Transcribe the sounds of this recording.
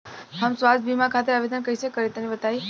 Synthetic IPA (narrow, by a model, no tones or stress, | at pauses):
ɦəmsʋat͡sbʱimãkʰat̪̬eaʋed̪ʱənkəit͡ʃekəɾit̪ənibət̪ʰaj